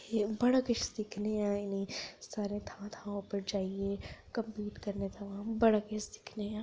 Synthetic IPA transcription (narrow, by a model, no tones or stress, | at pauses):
ebɐɽəkɪt͡ʃsɪkʰneãɪnisaːɾẽt̪ʰãt̪ʰãõpɐɾd͡ʒaːiekɐ̃mpiːʈkɐɾnet̪ʰɐʋãːbɐɽəkɪt͡ʃsɪ̥kʰneãː